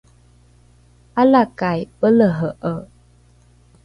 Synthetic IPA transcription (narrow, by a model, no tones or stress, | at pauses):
ʔalakajpələɦəʔə